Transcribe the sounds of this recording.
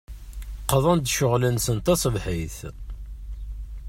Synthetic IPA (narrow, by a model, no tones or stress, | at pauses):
qəðˤɑnd̪ʃʊʁlənsənt̪ɑsˤəvħiθ